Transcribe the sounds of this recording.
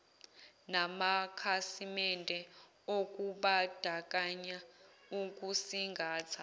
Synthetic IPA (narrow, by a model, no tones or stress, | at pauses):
namakʰasimɛntʼɛ | ok̬ʼuɓad̥ʱak̬ʼaɲa | uk̬ʼusiŋɡʱaːt͡sʰa